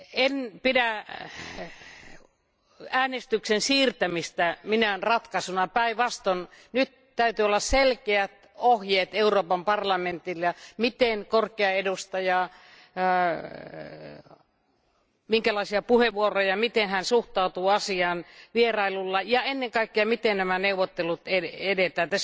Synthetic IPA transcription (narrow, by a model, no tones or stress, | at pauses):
enpidæ | æːnest̪yksensiːrt̪æmist̪æminænrɑt̪kɑsunɑpæiʋɑst̪onnyt̪ | t̪æyt̪yːolːɑsselkeæt̪ | ohjeːt̪euroːpɑmpɑrlɑment̪ilːɑmit̪enkorkeɑedust̪ɑjɑː | miŋkælɑisiɑpuheʋʋuorojɑmit̪enhænsuht̪ɑut̪uːɑsiɑːnʋierɑilulːɑjɑenːeŋkɑikːeɑmit̪ennæmæneuwʋot̪ːelut̪eedet̪æːt̪ːæs